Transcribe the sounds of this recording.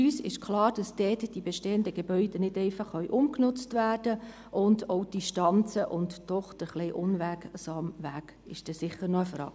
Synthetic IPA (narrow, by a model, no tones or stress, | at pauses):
yːsɪ̰ʃkʰlɑːɾd̥ɑsd̥ɛːtd̥ibɛʃteːəndəɡebœʏd̥ɛnɪdɛɪfɑχœʏʔʊmknʊt͡stvæːrd̥ə | ʔʊndoʊd̥iʃtɑnt͡səʔʊntd̥ɔχd̥əχleʔʊnʋæksɑːmʋæːk | ɪʃd̥ɛsɪχːəɾnɔəfɾɑ̰ːɡ̚